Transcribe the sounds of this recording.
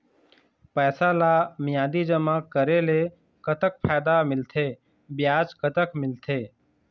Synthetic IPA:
pəːsalamɪjaːd̪id͡ʒəmakəɾele | kət̪ək̚pʰaːd̪amɪlt̪ʰeː | bjaːd͡ʒkət̪əkmɪlt̪ʰeː

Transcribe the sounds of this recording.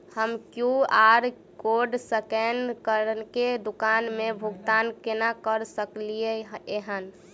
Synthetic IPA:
həmkjuaɾ | koɖsəkenkəɾənked̪ukanmebʱuɡt̪ankenakəɾsəklieeɦən

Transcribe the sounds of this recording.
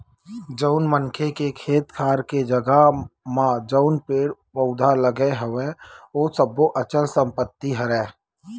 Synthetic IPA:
d͡ʒəʊnmənkʰekekʰeːt̪kʰaːɾked͡ʒəɡamãd͡ʒəʊnpeːɽpəʊd̪ʱaləɡeɦəʋẽoːsəboʔət͡ʃəlsə̃mpət̪ːiɦəɾɛ̃ː

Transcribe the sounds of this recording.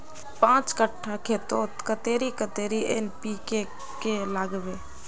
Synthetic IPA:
pãːt͡ʃkəʈʰːakʰeːt̪oːt̪kət̪eːɾikət̪eːɾienpike | kelaɡbeː

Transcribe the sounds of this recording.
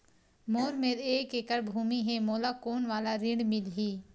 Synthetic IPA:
moːɾmeːɾeːkeːkəɾbʱuːmiɦeːmoːlaːkoːnʋaːlaɾɪ̃ɳɖmɪlɦiː

